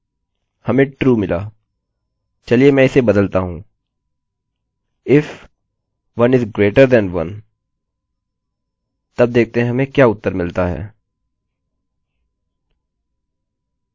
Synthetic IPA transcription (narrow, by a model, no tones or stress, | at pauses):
hɐmẽʈɾuːmɪlaː | t͡ʃɐliemɛ̃ːɪsebɐd̪əlt̪aɦũː | ɪf | ʋɐ̃nɪzɡɾeːʈəɾd̪ɛ̃nʋɐ̰̃n | t̪ɐb̚d̪eːk̚ʰt̪eɦɛ̃ɦɐmẽkjaːʊt̪ːəɾmɪlt̪aɦɛ̰ː